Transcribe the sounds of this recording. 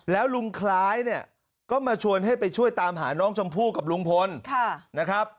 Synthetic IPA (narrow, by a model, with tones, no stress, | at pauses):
lɛː˦˥wlu˧ŋkʰlaː˦˥jni˥˩ə | kɔː˥˩maː˧t͡ɕʰu˧ənɦa˥˩jpa˧jt͡ɕʰu˥˩əjt̪aː˧mɦa̰ː˩˦nɔː˦˥ŋt͡ɕʰa˧mpʰuː˥˩ka˨˩p̚lu˧˥ŋpʰo˧nkʰaː˥˩a˦˥kʰɾa˦˥p̚